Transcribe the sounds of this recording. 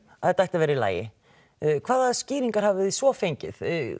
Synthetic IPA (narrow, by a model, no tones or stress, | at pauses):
aðɛt̪aajht̪avɛːɾɪila̰ːjɪ̰ | kʰv̥aːðaðsciːɾiŋkaɾ̥havɪðisvɔfejɲcɪθ